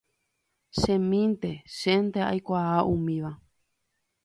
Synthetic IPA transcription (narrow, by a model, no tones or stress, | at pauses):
ʃẽmĩnt̪e̞ʃent̪ea̰jkʷaaʔũmĩʋa